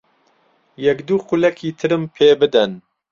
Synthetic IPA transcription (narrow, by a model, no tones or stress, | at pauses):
jɛkd̪uːqulɛkʰiːt̪ʰɨɾɨmpʰeːbɨd̪ɐn